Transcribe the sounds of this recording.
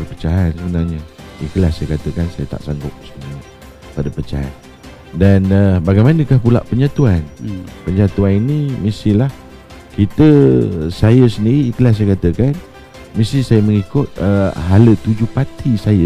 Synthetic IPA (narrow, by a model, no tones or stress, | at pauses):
ərpət͡ʃaɦansəbənarɲəḭkəlasajəkat̪əkansajət̪a̰ʔsaŋɡʊk̚səiɲə | padapət͡ʃa̰ɦa̰n | danəbaɡajmanəkahpula̰ʔpəɲat̪uanpəɲat̪uaninimisilah | kit̪əsajəsəndiɾiːkəlas̬ajəkat̪əkan | misisajəməŋikʊt̪̚əɦalət̪ud͡ʒʊhpat̪ʰisajə